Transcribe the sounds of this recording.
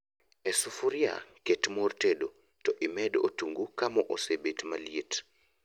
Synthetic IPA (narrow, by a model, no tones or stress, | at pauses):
ɛsufuɾja̰ketmortedo | tɔʔimɛdotuŋɡukamɔʔosebetmaliet